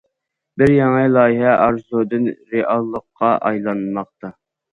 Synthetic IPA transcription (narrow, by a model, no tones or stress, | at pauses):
bɪɾjɑŋəlˠɑːjɦɛʔɑɾzud̪ɨnɾeʔɑlˠːəqʰːɑʔɑjlˠɑnmɑq̚t̪ɑ